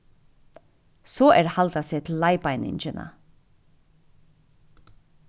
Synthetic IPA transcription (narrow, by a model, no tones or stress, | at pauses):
sɔːʔɛɹhalt̪asɛːt̪ʰɪlːaɪpaɪnɪ̰ɲt͡ʃɪna̰